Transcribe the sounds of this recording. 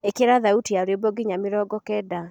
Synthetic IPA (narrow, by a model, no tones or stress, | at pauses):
ekeɾaðautiaoɾoboɡiɲameɾɔːɡɔkɛda